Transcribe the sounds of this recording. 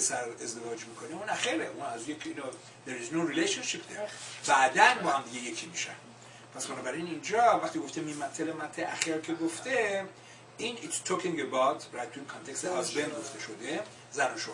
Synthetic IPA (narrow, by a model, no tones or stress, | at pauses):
esæɾezd̪e̞vɒːd͡ʒmikʰo̞neũnæxeɾeʔunæzjekʰino | d̪eɾiznoɾileʃonʃipʰd̪eɾbæʔd̪ænbɒːhæmd̪iɡʲeje̞kʰimiʃæ̰n | pʰæsbænɒːbæɾinind͡ʒɒvæxt̪iɡoft̪emimːæt̪ʰːelemæt̪ʰːeʔæxeɾkʲʰeɡoft̪ʰe | init̪st̪ʰokĩŋɡebawt̪ʰɾajt̪ʰːuinkʰɒnt̪ʰekst̪ʰehazbenɡoft̪eʃod̪e | zænoʃo